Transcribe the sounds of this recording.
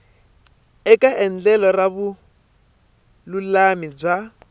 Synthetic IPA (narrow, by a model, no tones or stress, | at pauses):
ɛkʼaʔɛn̩d͡ɮɛlɔraβu | lulamib͡ʐa